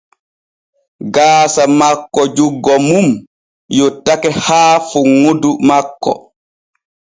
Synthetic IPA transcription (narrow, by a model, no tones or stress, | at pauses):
ɡaːsamakːɔd͡ʒuɡːɔmum | jɔtakɛhaːfuŋːudumakːɔ̰